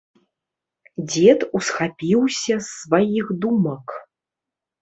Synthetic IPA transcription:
d͡zʲɛt̪usxapʲiwsʲɐsːvajixd̪umɐk

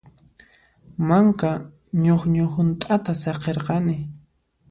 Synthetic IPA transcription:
maŋka | ɲoχɲohʊnt̪ʼat̪asɑqeɾqɑnɪ

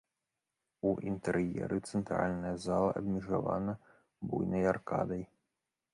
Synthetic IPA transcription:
uʔint̪ɛɾjɛ̰ɾʔɨt̪sɛnt̪ɾalʲnɐjɐzalˠɐʔɐb̪mʲiʐavanɐ | bujnɐjarkad̪ɐj

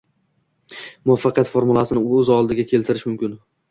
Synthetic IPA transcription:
mʊafːɑqɨjat̪foɾmʊlˠasɪnɪɵzɒlˠd̪ɪɡʲakʲʰe̞lt̪ʰɪɾɪʃmʊmkʲɪn

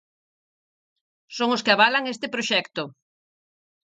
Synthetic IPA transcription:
soŋoskɪaβalaŋest̪ɪpɾoʃɛkt̪o

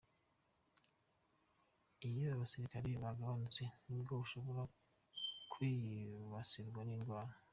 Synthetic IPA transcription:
ijoaβasiɾikaɾeβaɡaβanut͡se̞nubɡoβuʃo̞βo̞ɾa | kʰwiβasiɾɡwaninɡwaːɾa

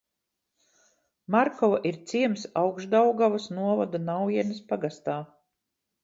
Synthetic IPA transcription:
maɾkɔvaʔiɾt̪siɛmsawɡʒd̪awɡavasnuɔvad̪unawiɛnɐspaɡast̪aː

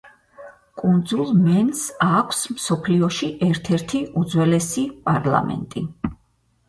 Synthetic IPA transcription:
kʼund̪zulˠmɛnsakʷʰsmsɔpʰliɔʃiʔɛɾt̪ʰɛɾt̪ʰiud̪zwɛlɛsipʼaɾlˠa̰mɛ̰nt̪ʼi

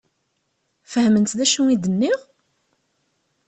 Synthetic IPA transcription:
fəhmənt̪ðæʃuid̪ənːiʁ

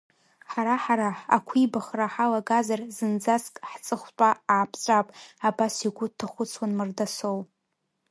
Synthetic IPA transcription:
ħaɾaħaɾaa̰kʷʰibaχraħalaɡazarzɨnd͡zaskʼħt͡sʼɨχʷtʷʼaaːpʰt͡sʷʼapʼabasiɡʷʊtʰːaχʷʊt͡sʰwanmɨrdasow

